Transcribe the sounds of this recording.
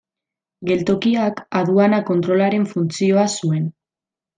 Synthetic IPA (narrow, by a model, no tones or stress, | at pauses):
ɡe̞lt̪o̞kiakaðuanako̞nt̪ɾo̞laɾe̞ɱfunt͡sio̞asue̞n